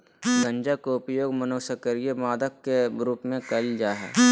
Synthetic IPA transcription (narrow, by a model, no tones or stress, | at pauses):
ɡə̃ɲd͡ʒakoʊpjoːɡmənoːsəkəɾjemaːd̪əkːeɾuːpmẽkɐld͡ʒaːɦɛ̰ː